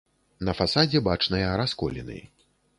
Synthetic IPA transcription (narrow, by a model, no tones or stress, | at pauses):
nɐfasad͡zʲɛbat͡ʂnɐjɐɾaskɔlʲɛ̰nɨ̰j